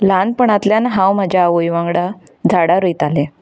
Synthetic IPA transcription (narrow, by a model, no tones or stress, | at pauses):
lanpəɳat̪ljanɦãwm̤ad͡ʑʱjaːʋojʋãŋɡɽa | d͡zʱaɽaɾəjt̪ale